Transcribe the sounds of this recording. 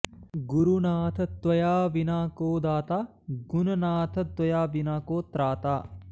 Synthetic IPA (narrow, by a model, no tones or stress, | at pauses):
ɡuɾunaːt̪ʰɐt̪wɐjaːʋinaːkoːd̪aːt̪aː | ɡunɐnaːt̪ʰɐt̪wɐjaːʋinaːkoːt̪ɾaːt̪aː